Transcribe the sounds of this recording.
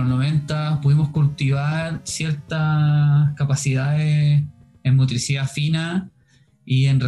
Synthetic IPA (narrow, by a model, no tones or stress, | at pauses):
onoβe̞nt̪apuðimoskult̪iβaɾsjeɾt̪akapasiðaðe | emmot̪ɾisiðafina | ienr